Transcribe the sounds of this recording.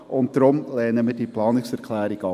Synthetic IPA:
ʊnt̚d̥ɾʊmlɛːnəmiːrdiːplɑːnɪksɛɾkʰlæːɾɪɡɑ

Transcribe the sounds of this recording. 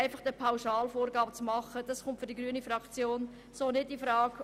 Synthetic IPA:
ɪfɑχd̥əpʰaʊʃɑːlfoːrɡɑːbət͡smɑχəd̥ɑsχʊntfʏɾdiɡɾyənifɾɑkt͡sjoːn | soːnɪdifɾɑːɡ

